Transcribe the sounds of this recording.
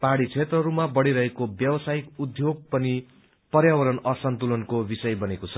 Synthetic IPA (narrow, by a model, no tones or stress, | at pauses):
paɽit͡sʰet̪rʌɾumabʌɽiɾʌɦekobjʌwʌsaikud̪ʱjoɡ̚pʌni | pʌrjawʌɾʌnʌsʌnt̪ulʌnkobisʌjbʌnekot͡sʰʌ